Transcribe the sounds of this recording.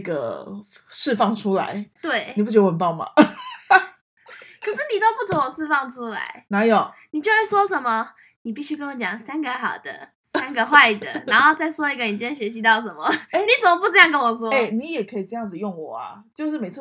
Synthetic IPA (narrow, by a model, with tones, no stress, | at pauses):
ɡə̰˩ | ʂɻ̩˥˧fɑ˥˩ŋʈ͡ʂʰu˥la̰˨˧˦ɪt̪we˥˩ɪi˨p̬u˥˩t͡ɕɥd̪ə˧wə˧˦mpɑ˥˩ʊma̰˩ | kʰə˨˩ʂɻ̩˥˩ni˨˩t̪o˥ʊpu˥˩t͡so˧˦wɔ˨˩ʂɻ̩˥˧fɑ˥˩ŋʈ͡ʂʰu˥la̰˧˦ɪna˨˧˦jo˨˩ʊni˨˩t͡ɕjo˥˧e˥˩ʂwɔ˥ʂə˨˩nmə˨ | ni˨˩pi˥˧ɕy˥kə˥nwɔ˧˦t͡ɕjɑ˨˩ŋsa˥nɡə˧xɑ˨˩ʊd̪ə̰˦ | sa˦˥nɡə˧xwa˥˩ɪ˨˩d̪ə̰˩na˧˥nxo˥˧ʊt͡sa˥˩ɪʂwɔ˥i˧˥ɡə˧i˨˩nt͡ɕjɛ˥nɕɥɛ˧˥ɕ̬i˧˥t̪ɑ˥˩ʊʂ̬ə˨˩nmə˨˦e˥˩ni˨˥t͡sə˨˩mə˦pu˥˧ʈ͡ʂɤ˥˧jɑ˥˨ŋk̬ə˦˥nwɔ˨˩s̬wɔ˦˥e˧˩ni˨˦jɛ˨˩kʰə˧˥i˨ʈ͡ʂɤ˥˧jɑ˥˩ŋd͡z̩˨˩jɔ˥˩ŋwɔ˨˩ɐ̰˨˩t͡ɕjo˥˧ʊʂɻ̩˥˩me˨˩ɪt͡s̩ʰ˥˩